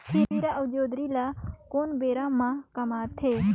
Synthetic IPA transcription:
kʰiɾiːɾaʔəʋd͡ʒoːd̪ɾiːlaːkoːnbeːɾãːmãkɐmaːt̪ʰeː

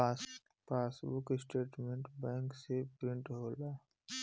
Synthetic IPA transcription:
paːsbʊkɪsʈeːʈmẽɳʈbɛ̃ːŋksepɾɪ̃ɳʈɦoːla

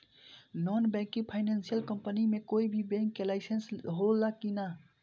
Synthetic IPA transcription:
nɔnbɛ̃ŋkĩpʰaɪnensijəlkəmpənimekoibʱibɛ̃ŋkːelaɪsensɦolakina

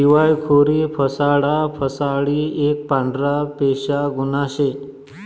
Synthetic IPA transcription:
iʋajkʰoɾiːpʰəsaɽapʰəsaɽiːek̚pãɳɖɾapeɕaɡunaɕe

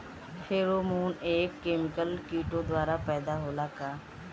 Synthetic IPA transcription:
tʰeːɾoːmuːneːkːeːmɪkəlkiːʈõd̪waːɾapɛːd̪aɦoːlaːkaː

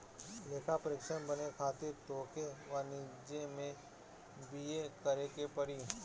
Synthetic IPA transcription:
leːkʰapəɾɪːkʃənbənekʰaːt̪ɪɾt̪oːkeʋaːnɪd͡ʒẽmẽ | biekəɾekepəɽi

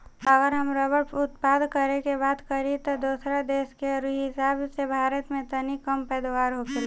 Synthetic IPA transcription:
əɡəɾɦəmɾəbəʈʊt̪paːd̪kəɾekebaːd̪kəɾit̪od̪oːsɾad̪eːskeɾuɦɦɪsaːbsebʱaːɾət̪mẽt̪ənikəmpɛːd̪waːɾɦokel

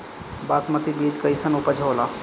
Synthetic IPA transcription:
basmət̪ibid͡ʒkəisənupəd͡ʒʱola

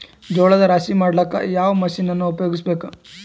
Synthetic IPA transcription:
d͡ʒɔːɭɐd̪ɐɾaːsimaːɽlɐkːa̰jaːʋɐmɐʃinɐnːuupɐjo̞ːɡisbeːku

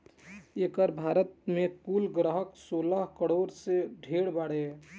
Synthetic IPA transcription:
eːkəɾbʱaːɾət̪̚mẽkuːlɡɾəɦəksoːləɦkəɽoːɾseɖʱeːɽbaɽe

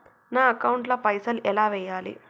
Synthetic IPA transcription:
naːɐkɐwɳʈlɐpɐjsɐlʔɛlaːʋɛːjaːlḭ

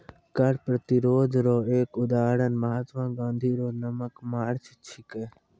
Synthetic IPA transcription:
kəɽpɾət̪iɾoːd͡ʒɾoːeːkʊd̪aːɽənməɦaːt̪ʋãːɡãːnd̪ʱiːɾoːnəməkmaːɽt͡ʃʰt͡ʃʰɪkeː

